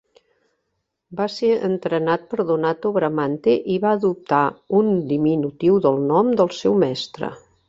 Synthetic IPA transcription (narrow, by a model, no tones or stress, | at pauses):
baseə̰nt̪ɾənat̪̚pəɾðunat̪oβɾəmant̪eʔiβaəðup̚t̪aund̪iminut̪iwðəlˠnɔmd̪əlˠsɛwmɛst̪ɾə̰